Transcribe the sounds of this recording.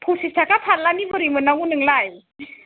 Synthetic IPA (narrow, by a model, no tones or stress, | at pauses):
pʰusisʰakapʰanlanibɯɾimɯnawunɯŋlaj